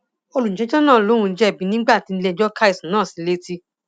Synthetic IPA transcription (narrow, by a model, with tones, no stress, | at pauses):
o˧lu˨n̩˨ɛ̃˨˦d͡ʒɔ̃˦nãː˦˨lo˦ɾ̃ũ˧n̩˦d͡ʒɛ˦˨bĩ˨˧˦nĩ˦ɡ͡ba˦˨ti˨˧n̩˦le˧˨d͡ʒɔ˦ka˦i˦˨sĩ˨nãː˦˨sĩ˨˧˦le˦ti˧